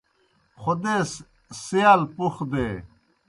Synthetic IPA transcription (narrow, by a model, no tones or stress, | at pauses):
xod̪eːs | sijaːlpuxd̪eː